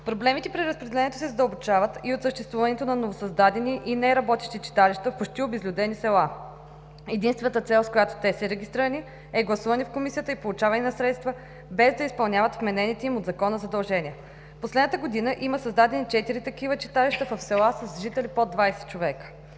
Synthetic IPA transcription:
pɾoblɛmit̪ɛpɾiɾəspɾɛd̪ɛlɛnʲiɛt̪o̥sɛzɐd̪əlˠbot͡ʃavət̪iot̪səʃt̪ɛst̪vuvɐnɛt̪onɐnovosɐzd̪ad̪ɛniʔinɛɾɐbɔt̪iʃt̪it͡ʃi̥t̪aliʃt̪əfpot͡ʃt̪iobɛzlʲud̪ɛnisɛlˠa | ɛd̪inst̪vɛnət̪ət̪sɛlˠskojat̪o̥t̪ɛsɛɾɛɡʲist̪ɾiɾəni | ɛɡlˠɐsuvɐnifkomisiət̪əipolˠut͡ʃavɐninɐsɾɛt̪st̪və | bɛzd̪ɐispɐlˠnʲjavət̪vmɛnɛnit̪ɛimod̪zɐkɔnəzɐd̪ɐlˠʒɛniə | poslɛd̪nt̪əɡod̪inəʔiməsɐzd̪ad̪ɛnit͡ʃɛt̪iɾit̪ɐkivət͡ʃi̥t̪aliʃt̪əfəfsɛlˠasəsʒit̪ɛlipod̪vajsɛ̥t͡ʃovɛkə̥

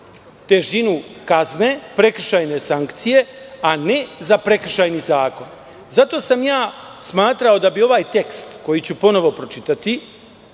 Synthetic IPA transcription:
t̪e̞ʒinukazne̞pɾe̞kr̩ʃajne̞saŋkt̪sije̞ane̞zapɾe̞kr̩ʃajnizaːko̞n | zat̪o̞ːsamjaː | smaːt̪ɾao̞d̪abio̞ʋaːjt̪e̞kst̪ko̞jit͡ɕupo̞no̞ʋo̞pɾo̞t͡ʃit̪at̪i

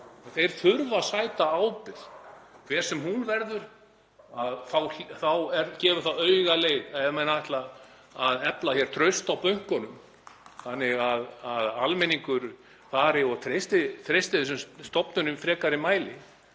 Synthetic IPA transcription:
θejɾ̥θʏɾvasaːjt̪aaːwpɪɾ̥kʰvɛ̥ːsɛmhunvɛɾðʏɾ | aðθawθawɛɾcɛːvʏɾ̥θawœːɥɣaleːjðɛðmɛnːaðɛht̪laː | ðɛplaçjɛɾ̥t̪ʰɾœɥst̪awpœɥŋ̥kɔnʏm | θanːɪɣaðaðalmɛniŋkʏɾ | faːɾɪɔɣt̪ʰɾejst̪ɪt̪ʰɾejst̪ɪðɪsɛmst̪ɔpnʏnʏmfɾɛːkaɾɪmaːjlɪ

